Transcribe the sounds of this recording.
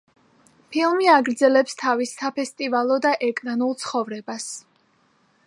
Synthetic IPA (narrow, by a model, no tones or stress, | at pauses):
pʰilˠmiaɡɾd̪zɛlɛpst̪ʰavisːapʰɛst̪ʼivalˠɔd̪aʔɛkʼnanulˠt̪sʰχɔvɾɛbas